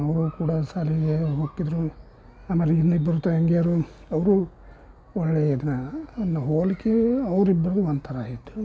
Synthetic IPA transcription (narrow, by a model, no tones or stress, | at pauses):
ɐʋɾukuːɽasaːliɡeɦoːkːid̪ɾu | aːmɐliid̪nɐibːɐɾut̪ɐɐŋɡeaɾu | ɐʋɾu | ɔɭːeːid̪nɐnːɐɦoːlikːeɐʋɾibːɐɾɐd̪uɐnd̪t̪ʰɐɾaːɦet̪ːu